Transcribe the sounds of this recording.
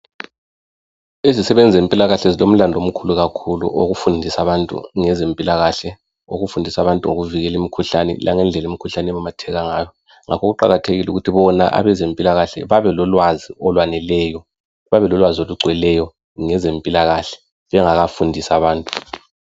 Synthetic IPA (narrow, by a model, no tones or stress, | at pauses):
ezisɛβɛnd͡zʱempʼilaɣaɬɛzilom̩landʱom̩kʰuluɣakʰulṵʔoɣufundʱisaβantʼṵŋɛzempʼilaɣaɬɛ | oɣufundʱisaβantʼuŋo̰ɣuviɣɛlimikʰuɬanɛ̰lʔa̰ŋɛnd͡ɮʱɛlemikʰuɬanɛβamatʰɛɣaŋaːjɔ | ŋa̰kʰɔɣuǃaɣatʰeɣiluɣutʰiβɔna̰ʔa̰βɛzempʼilaɣaɬɛ̰βaβɛlɔlwaziɔlwanɛlɛːjɔ | βaβɛlɔlwazioluɡ͡ǀʱwɛlɛjɔ | ŋɛzempʼilaɣaɬɛ̥ | βɛŋaɣafundʱisaβaːntʼu̥